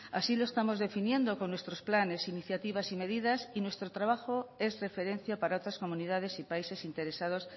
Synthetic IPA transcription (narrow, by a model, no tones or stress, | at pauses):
a̰silo̞e̞st̪amo̞zðe̞finje̞nd̪o̞ko̞nːwe̞st̪ɾo̞splane̞siniθjat̪iβasime̞ðiðasinwe̞st̪ɾot̪ɾaβ̞axo̞e̞zre̞fe̞ɾẽ̞n̟θjapaɾao̞t̪ɾasko̞mũniðað̞e̞sipaise̞sint̪e̞ɾe̞sað̞o̞s